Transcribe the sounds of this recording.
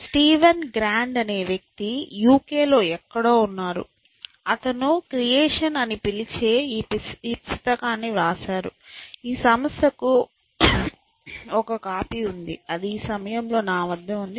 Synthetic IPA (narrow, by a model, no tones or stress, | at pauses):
sʈiːʋɐnɡɾaːɳɖɐne̞ːʋjɐk̚t̪ijuːke̞ːlo̞ːɛkːɐɽo̞ːunːaːɾṵ | ɐt̪ɐnukɾijeːʂɐnɐnipilit͡ʃe̞ːpiːpust̪ɐkaːnːiɾaːʃaːɾṵiːsɐmɐst̪ʰɐku | ɔkɐkaːpiːund̪ḭɐd̪iːsɐmɐjɐmlo̞ːnaːʋɐd̪ːɐmund̪i